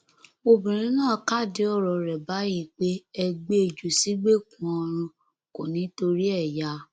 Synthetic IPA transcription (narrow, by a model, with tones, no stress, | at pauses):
o˧bĩ˨ɾ̃ĩ˨˦nãː˦˨ka˦˨di˨˦ɔ˦˨ɾɔ˧˨ɾɛ˨ba˨˦ji˦˨k͡pe˦ɛ˧ɡ͡be˦e˧˨d͡ʒu˨si˨˦ɡ͡be˦˨kũ˨˦ɔ˧ɾ̃ũ˧ | ko˨nĩ˨˦to˧ɾi˦ɛ˦˨ja˨˦